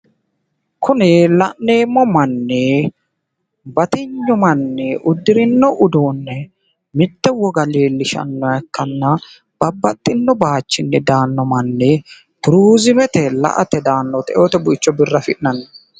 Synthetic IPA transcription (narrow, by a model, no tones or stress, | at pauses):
kʰʊnɪlɐnneːmːɔmɐnːɛ | bɐt̪ɪɲːʊmɐnːɛʔʊd̪ːɪɾɪnːɔʔʊd̪oːnːɛ | mɪt̪ːɛwɔɡɐleːlːɪʃɐ̰nːɔjɐkːɐnːɐ | b̥ɐbːɐt̪ʼːɪnːɔbaːt͡ʃːɪnːɛd̪aːnːɔmɐnːɛ | t̪ʊɾuːzɪmɛt̪ɛlɐ̰ʔɐt̪ɛd̪aːnːɔt̪ɛ̰ʔoːt̪ɛbʊɪt͡ʃːɔbɪrːɐfɪʔnɐnːɐ